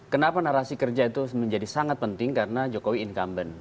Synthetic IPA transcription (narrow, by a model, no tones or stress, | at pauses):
kənapanaɾasikərd͡ʒait̪uməɲd͡ʒadisaŋat̪̚pənt̪ɪŋkaɾənad͡ʒokowiɪnkambən